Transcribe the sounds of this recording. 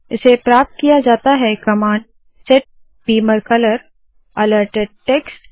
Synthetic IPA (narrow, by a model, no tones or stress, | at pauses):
ɪsepɾaːp̚t̪̚kijad͡ʒaːt̪aɦɛkɐmaːɳɖ | sɛʈ̚ | b̥iːməɾkɐləɾ | ɐləɾʈeɖ̚ʈɛːksʈ